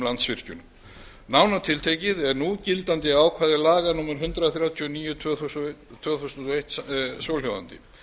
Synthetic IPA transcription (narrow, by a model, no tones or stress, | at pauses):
lant̪svɪr̥cʏnʏm | naːwnat̪ʰɪlt̪ʰejcɪðɛɾnucɪlt̪ant̪ɪawkʰvaːðɪlaːɣanuːmaɾ̥ɦʏnt̪ɾaθɾjawt̪ʰiɔniːjʏt̪ʰvœθust̪ʰːvœːθusʏnt̪ɔeht̪sowlhɔva̰nt̪ɪ̰